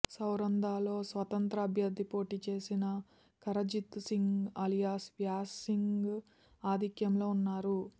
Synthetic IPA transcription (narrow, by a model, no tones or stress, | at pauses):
sɐwɾɐnd̪aːlo̞ːsʋɐt̪ɐnt̪ɾɐːbʱjɐɾd̪ʱːipo̞ːʈiːt͡ʃe̞ːsinɐ | kɐɾɐd͡ʒit̪ːsiŋɡɐlijaːsʋjaːsiŋɡɡ | aːd̪ikjɐmlo̞ːunːaːɾu